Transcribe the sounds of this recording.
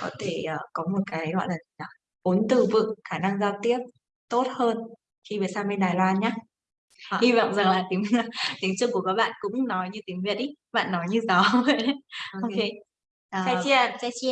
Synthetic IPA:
kɔ˨˦t̪ʰe˧˩ʔəː˨˩kɔ˨˦mo˨˩t̚kaː˨˦jlwa̰˧˨laː˨˩˨a˨˩ | ʔo˨˦nt̪ɨ˨˩vɨ̰˧˨ŋxaː˧˩na˧ŋzaː˧wt̪i˦˥əp̚ | t̪o˦˥t̚həː˧n | xi˧ve˨˩saː˧wme˧nɗaː˨˩jlwaː˧nɲaː˦ | hi˧vɔ̰˧˨wŋ͡mza˨˩ŋlaː˨˩t̪i˨˦ŋ˨t̪ï˨˦ŋt͡ɕɨ˧əku˧˩əkaː˨˥ɓa̰ː˧˨nkʊ̰˧˥ŋ͡mnɔ˨˦jɲɨ˧t̪i˨˦ŋvḭ˧˨t̚ʔi˨˦ | ɓa̰ː˧˨nːɔ˨˦jɲɨ˧zɔ˨˦ə˨˦˧o˧ke˧˨ | a˧˩t͡ɕi˧

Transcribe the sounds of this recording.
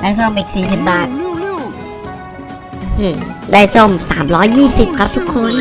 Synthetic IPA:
daː˥˩jso˥˩mʔiː˨˩k̚siː˨˩si˨˩p̚baː˨˩t̪̚ | ɯ˧˩daː˥˩jso˥˩msa̰ː˩˦mɾɔː˦˥jːiː˥˩si˨˩p̚kʰa˦˥p̚t̪ʰu˦˥kʰːo˧n

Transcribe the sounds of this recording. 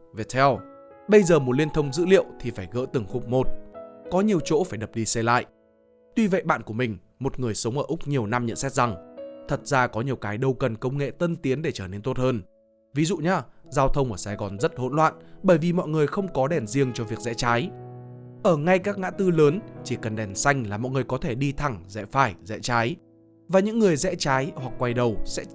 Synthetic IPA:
ve˨˩t̪ʰɛ˧w | ɓə˧jzəː˨˩mo˨˩t̚li˧ənt̪ʰə˧wŋ͡mzɨ̰˧˥lḭ˧˨əwt̪ʰi˨˩faː˧˩jɣə̰ː˧˥t̪ɨ˨˩ŋxʊ˨˦˥k͡p̚mo˨˩t̚kɔ˨˦ɲi˨˩əwt͡ɕo̰˧˥faː˧˩jɗə˨˩p̚ɗi˧sɛ˧la̰ː˧˨jʔ | t̪wi˧və̰˧˨jɓa̰ː˧˨nku˧˩əmï˨˩ŋ̟ | mo˨˩t̚ŋɨ˨˩əjsə˨˦wŋ͡mʔəː˧˩ʔʊ˦˥k͡p̚ɲi˨˩əwna˧mɲə̰˧˨nsɛ˦˥t̚za˨˩ŋt̪ʰə˨˩t̚zaː˧kɔ˨˦ɲi˨˩əwkaː˨˦jɗə˧wkə˨˩nkə˧wŋ͡mŋḛ˧˨t̪ə˧nt̪i˨˦ənɗe˧˩t͡ɕəː˧˩ne˧nt̪o˦˥t̚həː˧n | vi˨˦zṵ˧˨ɲaː˧zaː˧wt̪ʰə˧wŋ͡mʔəː˧˩saː˨˧jɣɔ˨˩nzə˦˥t̚ho̰˧˥nlwa̰ː˧˨nɓəː˧˩jvi˨˩mɔ̰˧˨jŋɨ˨˩əjxə˧wŋ͡mkɔ˨˦ɗɛ˧˨˩nzi˧əŋt͡ɕɔ˧vi˨˩ək̚zɛ̰˧˥t͡ɕaː˨˦j | ʔəː˧˩ŋa˧jkaː˦˥k̚ŋa̰ː˧˥t̪ɨ˧ləː˨˦nt͡ɕi˧˩kə˨˩nɗɛ˨˩nsa˧jŋ̟laː˨˩mɔ̰˧˨jŋɨ˨˩əjkɔ˨˦t̪ʰe˧˩ɗi˧t̪ʰa˨˩ŋzɛ̰˧˥faː˧˩jzɛ̰˧˥t͡ɕaː˨˦j | vaː˨˩ɲɨ̰˧˥ŋːɨ˨˩əjzɛ̰˧˥t͡ɕaː˨˦jhwa˨˩k̚ːwa˧jɗə˨˩wsɛ̰˧˥

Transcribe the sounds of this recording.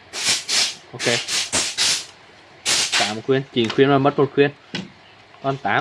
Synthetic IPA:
ʔo˧ke˧ | t̪a̰ː˧˨mo˨˩t̚kxwi˧ənt͡ɕḭ˨˧˩nxwi˧ənɔ˨˩mə˦˥t̚mo˨˩t̚xʰwi˧ən | kɔ˧˩nt̪aː˨˦

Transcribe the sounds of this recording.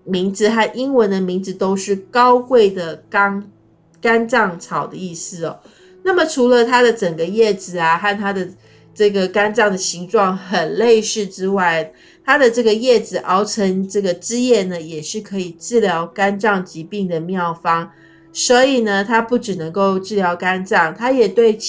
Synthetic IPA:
mi˧˥ŋd͡zɹ̩˧xa˥˩nʔi˦˥ŋwə˧˥nd̪ə˨mi˧˥ŋd͡z̩˧t̪o˥ʊʂɻ̩˥˩kɑ˥ʊkwe˥˩ɪd̪ə˩kŋ | ka˥nʈ͡ʂɑ˥˩ŋt͡sʰɑ˨˩ʊd̪ə˦i˥˩sɹ̩˥˩ɔ˩ | na˥˩mə˩ʈ͡ʂʰu˧˥lə˧t̪ʰa˥d̪ə˨ʈ͡ʂə˨˩ŋɡə˦jɛ˥˩d͡zɹ̩˨˩a˩xa˥˩nt̪ʰa˥d̪ə˨˩ | ʈ͡ʂɤ˥˩ɡə˩ka˥nʈ͡ʂɑ˥˩ŋd̪ə˩ɕi˧˥ŋʈ͡ʂwɑ˥˩ŋxə˨˩nle˥˧ɪʂɻ̩˥˩ʈ͡ʂɻ̩˥wa˥˩ɪ | t̪ʰa˥d̪ə˨ʈ͡ʂɤ˥˩ɡə˩jɛ˥˩d͡zɹ̩˨˩ʔɑ˥ʊʈ͡ʂʰə˧˥ŋʈ͡ʂɤ˥˩ɡə˩ʈ͡ʂɻ̩˥jɛ˥˩nə˩jɛ˨˩ʂɻ̩˥˩kʰɤ˧˥i˨˩ʈ͡ʂɻ̩˥˩ljɑ˧˥ʊka˥nʈ͡ʂɑ˥˩ŋt͡ɕi˧˥pi˥˩ŋd̪ə˩mjɑ˥˩ʊfɑ˥ŋ | swɔ˧˥i˨˩nə˨t̪ʰa˥pu˥˩ʈ͡ʂɻ̩˨˩nɤ˧˥ŋko˥˧ʊʈ͡ʂɻ̩˥˩ljɑ˧˥ʊka˥nʈ͡ʂɑ˥˨˩ŋt̪ʰa˥jɛ˨˩t̪we˥˩ɪ

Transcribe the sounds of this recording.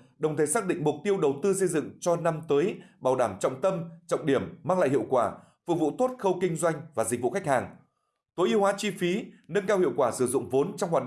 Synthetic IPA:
ɗə˨˩wŋ͡mt̪ʰə˨˩˦saː˦˥k̚ɗḭ˧˨ŋ̟mʊ˨˩k͡p̚t̪i˧əwɗə˨˩wt̪ɨ˧sə˧jzɨ̰˧˨ŋt͡ɕɔ˧na˧mt̪əː˨˦jɓaː˨˩wɗaː˧˩mt͡ɕɔ̰˧˨wŋ͡mt̪ə˧mt͡ɕɔ̰˧˨wŋ͡mɗi˧˩əmːaː˧ŋla̰ː˧˨jɦḭ˧˨əwkwaː˧˩ | fɨu˧˩vṵ˧˨t̪o˦˥t̚xə˧wkï˧ŋ̟zwa˧jŋ̟vaː˨˩zi˨˩k̟̚vṵ˧˨xa˦˥jk̚haː˨˩ŋ | t̪o˨˦jʔi˨˧əwhwaː˨˦t͡ɕi˧fi˨˦nə˧nkaː˧whḭ˧˨wkwaː˧˩sɨ˧˩zʊ̰˧˨ŋ͡mvo˨˦nt͡ɕɔ˧wŋ͡mhwaː˨˩ɗ

